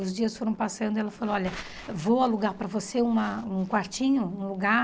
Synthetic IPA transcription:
ʊzd͡ʒiɐsfoɾɐ̃w̃pasɐ̃nd̪ʊɛlɐfaloɔʎɐ | vowaluɡaɾpɾɐvoseũmɐũkwaɾt͡ʃĩɲʊũluɡa

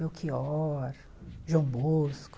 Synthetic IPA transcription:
ewkʰiɔɾ | ʒɐ̃w̃bosk

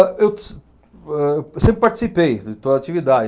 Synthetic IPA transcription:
ew | ɛsẽpɾɪpaɾt͡ʃi̥sipejdɪt̪od̪at͡ʃivid̪ad͡ʒɪ

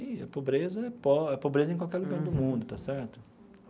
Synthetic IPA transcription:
ĩɛ̰pobɾezɐɛpɔɛpobɾezɐẽkwawkɛɾlʊɡaɾd̪ʊmũd̪ʊt̪asɛɾt̪ʊ

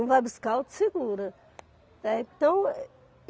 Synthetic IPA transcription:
ɐ̃w̃vajbuskawd̪ɪ̥seɡuɾɐ | ɛẽt̪ɐ̃w̃

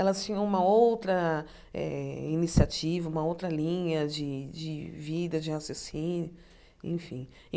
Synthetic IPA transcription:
ɛlɐst͡ʃĩɲɐ̃ũmɐowt̪ɾɐ | ɛ̰inisiat͡ʃivɐũmɐowt̪ɾɐlĩɲɐd͡ʒɪd͡ʒɪvid̪ɐd͡ʒɪasasĩnjʊ | ḛ̃fĩ | ẽ

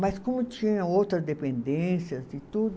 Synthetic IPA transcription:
mɐskõmʊt͡ʃĩɲɐ̃owt̪ɾɐzd̪epẽnd̪ẽsjɐzd͡ʒɪt̪ud̪

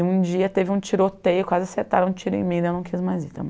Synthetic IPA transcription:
ũd͡ʒiɐt̪evɪũt͡ʃiɾot̪ejʊkwazɪɐseɾt̪aɾɐ̃ũt͡ʃiɾʊḛ̃mĩd̪ewnɐ̃w̃kizmajzit̪ɐ̰m

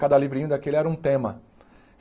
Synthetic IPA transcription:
kad̪ɐlivɾĩɲ̃ʊd̪akelɪɛɾɐũt̪ẽmɐ

